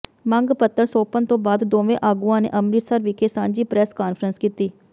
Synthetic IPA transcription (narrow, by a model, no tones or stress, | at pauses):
məŋɡpət̪ːəɾsoːpənt̪õːbaːd̪d̪oːʋẽːʔaːɡũːãːnḛːʔəmɾiːt̪səɾʋɪkʰeːsãːɲd͡ʒiːpɾɛːskaːnfʰəɾənskiːt̪iː